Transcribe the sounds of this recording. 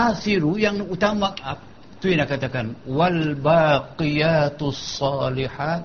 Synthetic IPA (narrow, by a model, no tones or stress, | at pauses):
ʔasiɾujaŋut̪amaap̚ | t̪uinakat̪akanwalbaːqijat̪sˤːɑːliħat̪